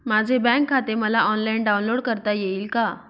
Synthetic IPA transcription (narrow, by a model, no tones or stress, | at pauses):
mad͡zʱebɛ̃kʰːat̪eməlaʔɔnlainɖawnloɽkəɾt̪ajeiːlka